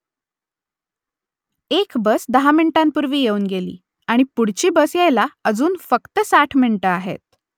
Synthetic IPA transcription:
ekbəsd̪əɦaminʈãmpuɾʋiːjeuːnɡelḭː | aɽ̃ipuɽ̤t͡ɕiːbəsjejlaəd͡zuːnfəkt̪əsaʈʰminʈəaɦḛt̪̚

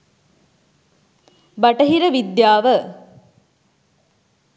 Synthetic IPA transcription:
bɐʈəɦiɾəʋid̪jaːʋə

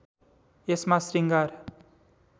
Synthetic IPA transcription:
esmasriŋɡaɾ

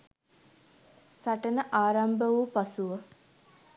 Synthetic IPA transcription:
saʈənəʔaːɾambəʋupasuʋə

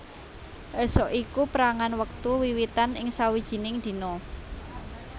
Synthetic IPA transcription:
ʔɛsɔʔikupəɾaŋanwək̚t̪uwiwit̪anɪŋsawid̥ʒ̥i̤nɪŋd̪̥i̤nɔ

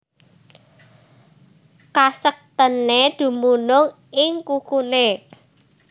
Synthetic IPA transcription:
kasək̚t̪əned̪̥ṳmunʊŋ | ɪŋkukune

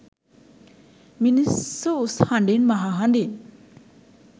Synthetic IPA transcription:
minisoushaɳɖinmaɦaɦaɳɖin

